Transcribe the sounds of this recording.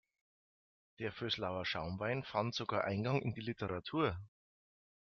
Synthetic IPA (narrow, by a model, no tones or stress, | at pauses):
d̥eːɐføːslaʊɐʃaʊmvaɪnfantz̥oɡaːɐʔa̰ɪnɡɑŋʔɪ̰ndiːlɪtʰəʁatʰuːɐ